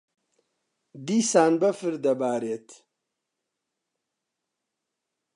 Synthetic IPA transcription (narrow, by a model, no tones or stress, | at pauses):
d̪isaːnbɐfɨɾd̪ɐbaːɾet̪ʰ